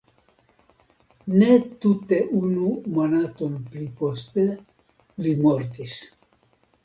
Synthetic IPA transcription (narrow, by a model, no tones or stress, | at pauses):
net̪ut̪eʔunumonat̪omplipost̪e | limoɾt̪is